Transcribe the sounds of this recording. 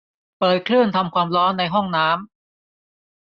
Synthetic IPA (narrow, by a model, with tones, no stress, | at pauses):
pɤː˨˩t̪̚kʰlɯ˥˩ənt̪ʰa˧mkʰwaː˧mɾɔː˦˥nːa˧jɦɔ˥˩ŋnaː˦˥m